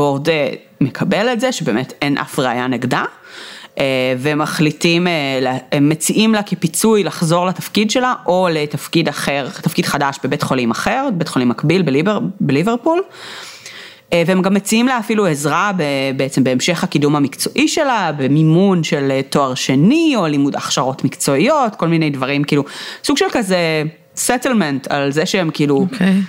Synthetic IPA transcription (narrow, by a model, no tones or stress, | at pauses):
ode | mekʰabeletzeʃebe̞ːmetenʔa̰fʁeajaneɡda | eveemaχlitimeleemːet͡siʔimlakepit͡sujlaχzo̞ʁlatafkidʃe̞laʔo̞letafkidaχeʁt̪afkid̥χadaʃbebetχolimaχe̞ʁbet̪χolimːakbilbelibeʁbeliveʁpul | eveemɡamːet͡siimleafiluezʁabebeet͡sembeːmʃe̞χhakidumhamikt͡so̞ʔiʃe̞labe̞mimunʃelto̞aʁʃenio̞limuda̰χʃaʁo̞tmikt͡so̞ijo̞tko̞lminejdvɐʁimkiːlusuɡʃelkaze | setelmentʰa̰lzeʃeemkiiːlu